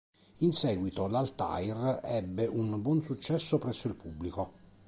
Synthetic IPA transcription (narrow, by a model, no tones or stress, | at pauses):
insɛːɡwit̪olalt̪a̰jrɛbːeʔunbwɔnsut͡ʃːɛsːopɾɛsːoilpubːliko